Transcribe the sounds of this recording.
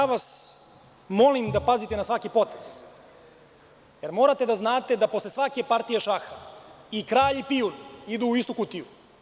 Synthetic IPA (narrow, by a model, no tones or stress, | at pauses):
aʋas | mo̞limd̪apazit̪e̞nasʋakipo̞t̪ez̥ | jeɾmo̞ːɾat̪e̞d̪aznaːt̪e̞d̪apo̞slesʋake̞paɾt̪ijeʃaxaikɾaːʎipiunid̪uːist̪ukut̪iju